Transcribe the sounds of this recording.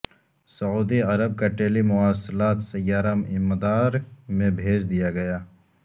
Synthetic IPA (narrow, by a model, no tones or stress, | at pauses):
sɐuːd̪iɐɾəb̚kaʈeːlimʊaːslaːt̪sɐjːaːɾəmɪ̰məd̪aːɾmẽbʱeːd͡ʒd̪ijaɡɐjaː